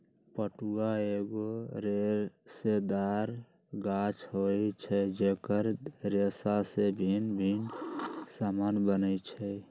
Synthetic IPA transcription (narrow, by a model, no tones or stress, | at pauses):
pəʈuɡaeɡoɾeɾsed̪aɾ | ɡat͡ʃɦojt͡ʃʰɛd͡ʒekəɾɾesasebʱinbʱinsamanbənət͡ʃʰɛ